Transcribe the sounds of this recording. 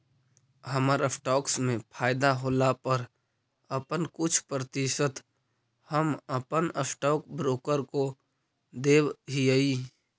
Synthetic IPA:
ɦəməɾəpʰʈɔːksmẽpʰaːɪd̪aɦoːlapəɾ | əpənkʊt͡ʃʰpɾət̪ɪʃət̪ | həməpənəpʰʈɔːkbɾoːkəɾko | d̪eːbɦiəi

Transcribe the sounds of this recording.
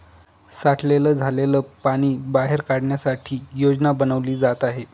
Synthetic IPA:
saʈʰleləːd͡zʱaleləːpaɽ̃iːbaɦeɾkaɽɳjasaʈʰiːjod͡znabənəʋliːd͡zat̪aɦe

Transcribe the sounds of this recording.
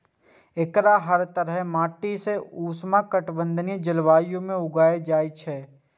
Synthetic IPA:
ɪkɾaɦəɾt̪əɾɦɛmaːʈːiseuːsmãkəʈbə̃nd̪ʱənijd͡ʒɐlʋaːjõmẽʊɡaːed͡ʒaːit͡ʃʰɛː

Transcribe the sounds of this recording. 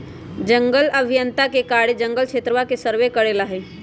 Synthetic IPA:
d͡ʒəŋɡələbʱijənt̪akekaɽed͡ʒəŋɡəlt͡ʃʰet̪ɾəʋakesəɾʋekəɾelaɦɛ

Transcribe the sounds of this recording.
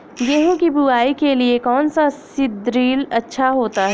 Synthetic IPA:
ɡeɦũkibuaːikeliekɔːnsasɪd̪ɾiːlɐtːʃʰaɦoːt̪aɦɛː

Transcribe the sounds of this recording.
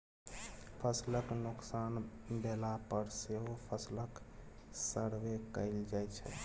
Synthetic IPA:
pʰəsləknuksanbelapəɾseɦopʰəslək | səɽʋekəɪld͡ʒajt͡ʃʰɛ̰

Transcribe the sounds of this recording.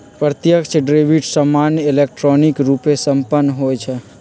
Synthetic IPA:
pɾət̪jəkt͡ʃʰɖɾeʋiʈsəmːanjelek̚ʈɾɔnikɾupesəmpənːɦojt͡ʃʰɛ

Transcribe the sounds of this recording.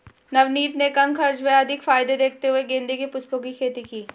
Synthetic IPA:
nɐʋniːt̪nekɐmkɐɾd͡ʒweɐd̪ʱɪkfaːɪd̪ed̪eːk̚ʰt̪eɦʊeɡẽːnd̪ʱikepʊspõk̬ikʰeːt̪ikiː

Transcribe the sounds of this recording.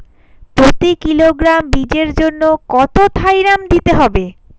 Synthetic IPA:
pɾot̪ikiloɡɾambid͡ʑeɾd͡ʑonːokɔt̪ot̪ʰajɾamd̪it̪eɦɔbe

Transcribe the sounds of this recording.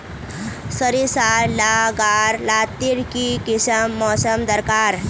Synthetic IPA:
səɾisaɾlaɡaɾlat̪ːiɾkikisəmːɔsəmd̪əɾkaɾ

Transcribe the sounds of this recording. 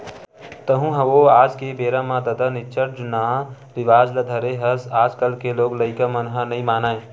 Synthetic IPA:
t̪əɦũɦɐʋoaːd͡ʒkebeːɾamãd̪əd̪ənɪt͡ʃəɾd͡ʒuna | ɾɪʋaːd͡ʒləd̪ʱəɾeɦəsaːd͡ʒkəlkeloːɡləɪkəmənɦənəĩmaːnaːẽ

